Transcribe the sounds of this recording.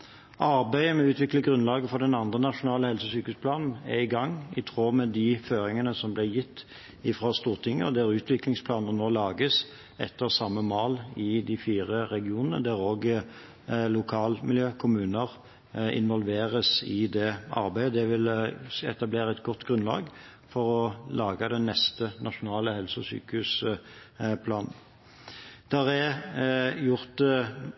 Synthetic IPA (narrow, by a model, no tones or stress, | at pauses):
ʔɑɾbæɪəmɛʉːt̪ʰʋɪkləɡʁʉnlɑːɡəfɔd̪ɛnɑnd̪ʁənɑʂʊnɑːləhɛlsəsyːkʉspʰlɑːnn̩ɛɪɡɑŋːɪt̪ʰʁoːmɛd̪ɪføːɾɪŋənəsɔmblɪjɪt̪ː | ɪfʁɑːst̪uːʁt̪ʰɪŋːə̰ɔ̰d̪ɛæʁʉːt̪ʰʋɪklɪŋspʰlɑːnənoːlɑːɡəs | ɛ̰t̪ːəʁsɑmːəmoːlɪd̪ɪfiːʁəɾɛɡɪuːnənə̰d̪æɾoːɡ | lʊkʰɑːlmɪljøːkʰʊmʉːnəʁ | ɪ̰nʋɔlʋeːʁəsɪd̪ɛɑ̰ɾbæɪd̪ɛʋɪlɛ̰t̪ɑbleːʁəɛt̪ɡɔt̪ːɡɾʁʉnlɑ̰ːɡ | fɔʁɔlɑːɡɑd̪ɛnːɛst̪ənʔɑʃʊnɑːləhɛlsɔsy̰ːkʉs | pʰlɑːnn̩ | d̪̥æʁɛ | jʊʁt̪